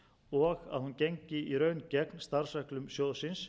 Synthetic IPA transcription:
ɔɣa̰ðhunceɲcɪiɾœːɥncɛknst̪aɾ̥sɛhklʏmsjoːðsɪns

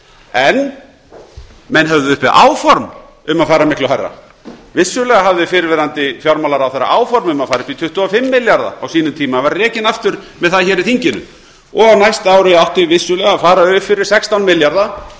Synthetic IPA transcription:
ɛn | mɛnɦœvðɪʏhpɪa̰ʔaːwfɔɾm | ʏmaðfaːjɾamɪhklaɦajrːa̰ | vɪsːʏlɛːɣaɦavðɪfɪɾɪɾvɛːɾant̪ɪfjaɾmalaɾawθɛɾːa̰ʔaːwfɔɾmʏmaðfaːɾɪpit̪ʰʏht̪uafɪmːɪljaɾða̰awsiːnʏmt̪ʰiːmavaɾːɛːcɪnaft̪ʏɾmɛðθaðçɛːɾɪðθiɲcɪnʏ̰ | ɔɣawnajst̪aːwɾʏawht̪ɪvɪsːʏlɛɣafaːɾaœːɪfɪɾɪɾ̥sɛkst̪awnmɪljaɾða

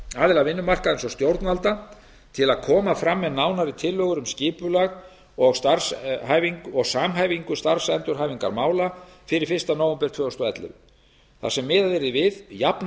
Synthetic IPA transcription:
aːðɪlavɪnːʏmar̥kaðɪnsɔst̪jowɾt̪nalt̪a | t̪ʰɪlaðkʰɔːmafɾamːɛðnaːwnaɾit̪ʰɪlːœɣʏɾʏmscɪːpʏlaɣ | ɔɣst̪aɾsɦaːjviŋkɔɣsaːmɦaːjviŋkʏst̪aɾr̥sɛnt̪ʏɾɦaːjviŋka̰ɾmaːwlafɪɾɪɾ̥fɪ̥st̪anowɛmpɛɾ̥t̪ʰvœːɔst̪ɔɛt̪lʏ̰ | θa̰sɛmːɪːðaðvɪɾɪðvɪðjapn

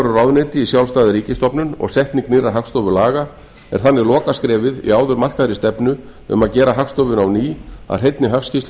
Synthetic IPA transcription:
ɾʏɾawðnɪːt̪ɪisjawlst̪aːðɪɾiːcɪst̪ɔpnʏnɔ̰ɣsɛht̪nɪŋknɪrːaɦakst̪ɔvʏlaːɣa | ɛ̰ɾ̥θanːɪlɔːkaskɾɛːvɪðḭaːwðʏɾmar̥kaðɾɪst̪ɛpnʏ | ʏ̰maðcɛːɾaɦaxst̪ɔwvʏnawniːa̰̥ɦejt̪nɪɦafscis

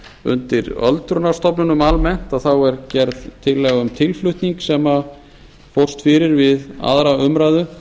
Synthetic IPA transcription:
ʏ̰nt̪ɪɾœ̰lt̪ɾʏnast̪ɔpnʏnʏmalmɛn̥t̪aðθawɛɾcɛɾðt̪ʰːɪlːɛːɣaʏmt̪ʰɪlflʏht̪niŋksɛma | fowr̥st̪fɪːɾɪɾvɪða̰ðɾaʏmɾajðʏ

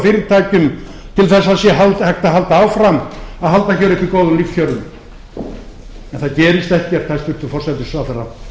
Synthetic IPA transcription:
fɪːɾɪt̪ʰaːcʏm | t̪ʰɪlθɛs̬ːasjɛɦalt̪hɛkt̪aɦalt̪aawfɾamːaðɦalt̪açœwɾɪht̪ikoːwðʏmliːkfjœwɾʏm | ɛnθaðcɛːɾɪst̪ɛhcɛɾ̥t̪ʰajst̪ʏr̥t̪ʏfɔr̥sɛt̪ɪsvaːwθarːa̰

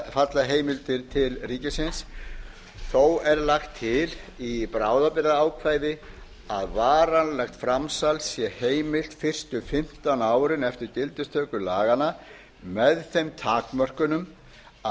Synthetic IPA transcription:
fat̪laɦeːjmɪlt̪ɪɾt̪ʰɪlriːcɪsɪns | θowɛɾlaxt̪ʰːɪlipɾaːwðapɪɾaaːwkʰvaːjðɪ | aðvaːɾanlɛxt̪fɾamsalsjɛheːjmɪl̥t̪fɪr̥st̪ʏfɪm̥t̪anaːwɾɪnɛft̪ɪɾcɪlt̪ɪst̪ʰœːkʏlaːɣana | mɛðθejmt̪ʰaːkmœr̥kʏnʏm

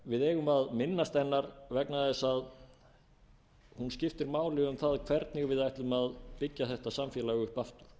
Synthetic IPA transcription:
vɪðɛːɣʏmaðmɪnːast̪ɛnːaɾvɛknaðɪsað | hunscɪft̪ɪɾmaːwlɪɣʏmθaðkʰvɛɾt̪nɪɣvɪðajht̪lʏmaðpɪcːaθɛht̪asamfjɛlaɣʏhpaft̪ʏ̥ɾ̥

